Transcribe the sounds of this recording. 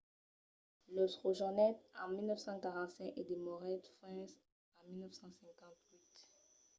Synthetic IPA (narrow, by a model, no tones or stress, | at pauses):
losʁoʒɔnɛt̪ɑ̃milnœfsɑ̃kaʁɑ̃t̪sɛ̃ked̪emɔʁɛt̪fɛ̃s | ɑ̃milnəfsɑ̃sɛ̃kɑ̃t̪wit̪